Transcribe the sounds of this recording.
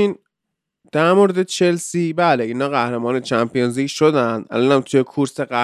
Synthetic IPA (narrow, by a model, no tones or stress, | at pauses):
iːn | d̪̥æɾmoɾed̪et͡ʃʰelsiːbæːleinɒːɣæhɾemɒːnet͡ʃʰæmpʰijenziːcʃod̪ænd̪ʔæ̰lɒːnæmt̪ʰujekʰuɾseɢæ